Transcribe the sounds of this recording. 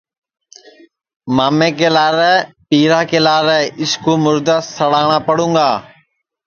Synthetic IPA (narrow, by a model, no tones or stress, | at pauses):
maːmẽːkeːlaːɾɛ | piːɾaːkeːlaːɾɛɪskuːmʊɾd̪aːsəɽaːɽ̃aːpəɽ̤ũːŋɡaː